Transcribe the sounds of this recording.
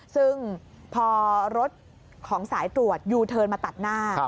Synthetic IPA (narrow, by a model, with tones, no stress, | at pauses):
sɯ˥˩ŋ | pʰɔː˧ɾo˦˥t̪̚ | kʰɔː˩˦ŋsaː˩˦jt̪ɾu˨˩ət̪̚juː˧t̪ʰɤː˧nmaː˧t̪a˨˩t̪̚naː˥˩